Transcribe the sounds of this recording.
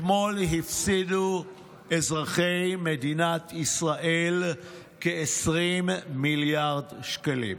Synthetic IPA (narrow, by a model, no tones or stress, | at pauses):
molɦifsidu | ezʁaχejmed̪inat̪ʰisʁaʔel | keesʁimːiljaʁdʃkalḭm